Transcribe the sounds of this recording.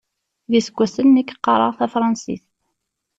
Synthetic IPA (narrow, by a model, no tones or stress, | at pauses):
ðisəɡʷæsənːækːqːɑɾˤə̰ʁθæfɾˤɑnsḭθ